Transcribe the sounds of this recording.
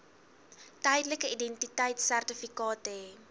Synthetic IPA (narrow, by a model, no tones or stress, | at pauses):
tɛjdələkəidɛntitɛjtsærtəfikɑːtəe